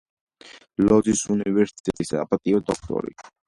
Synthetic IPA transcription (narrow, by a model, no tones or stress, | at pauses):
lɔzisunivɛɾsi̥t̪ʼɛt̪ʼisa̰pʼat̪ʼiɔd̪ɔk̚ʰt̪ʼɔ̰ɾḭ